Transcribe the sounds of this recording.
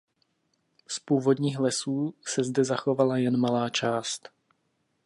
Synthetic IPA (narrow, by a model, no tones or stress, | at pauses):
spuːvo̞dɲiːxlɛsuːsɛzdɛzaxo̞valajɛnmalaːt͡ʃaːst̪